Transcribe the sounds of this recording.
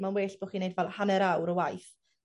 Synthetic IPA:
manweːɬb̥oːχiːnejdvɛlˠhanɛɾawɾəwajθ

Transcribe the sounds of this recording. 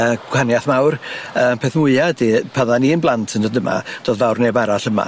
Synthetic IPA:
əːɡ̥wanjaθmawrəːmpʰeθmʊɨadipʰaðaninblˠantʰəndədəma̰d̥oːðvawrneːbaɾaɬəma̰

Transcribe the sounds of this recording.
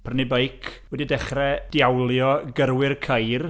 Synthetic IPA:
pʰərnɪbejkʰwɛdidɛχrɛd̥jawlˠjɔɡəɾwɪrkʰəjr

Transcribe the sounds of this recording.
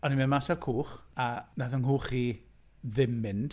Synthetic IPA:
ɔnimɛnmasarkʰuːχanaðənɦuːχiː | ðɪmɪnd̥

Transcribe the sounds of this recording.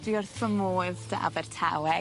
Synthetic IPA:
d̥wiɔrθəmoːðdaa̰vɛrtʰa̰wɛ

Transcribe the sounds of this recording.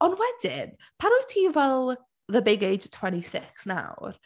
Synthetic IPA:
ɔnwɛd̥ɪ̰n | pʰaɾojtʰiːvɛlˠ | ðəbɪɡejd͡ʒtʰw̥ɛntisɪksna̰wr

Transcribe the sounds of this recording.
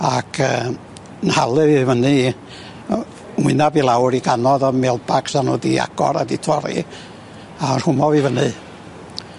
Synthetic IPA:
akʰəː | nhalˠɨvivənɨ | wɪnavilˠawɾiɡanɔðɔmɛlˠbaksanṵdia̰ɡ̥ɔ̰ɾa̰ditʰɔɾḭ | arhʊmɔvivənɨ

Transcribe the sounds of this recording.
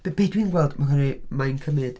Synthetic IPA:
b̥eb̥edwinɡwɛlˠdmakəɾimajnkʰəmɨd̥

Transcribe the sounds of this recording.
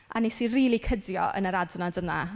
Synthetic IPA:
ʔa̰nisinriːlˠikʰədjɔ̰ʔə̰nəɾadnadəna̰

